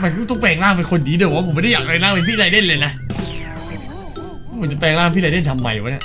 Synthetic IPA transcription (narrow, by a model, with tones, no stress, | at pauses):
ma˧˩kt̪ɔ˥˩ŋpɛː˧˩ŋlaː˥˩ŋp̬e˧nkʰo˧ndiː˦dɯː˧˩wa˥pʰmːa˦˥˩da˥˩jaː˨˩k̚ɾa˧jlaː˥˩˨ma˧pʰiː˥˨a˧jde˥˩nlɤː˧jna˦˥ʔ | a˦˥˩u˩˦t͡ɕpɛː˧˩ŋlaː˥˩mpʰiː˦˥˨a˧le˥˩nt̪ʰa˧mːa˧jwaː˨˦˥na˧˩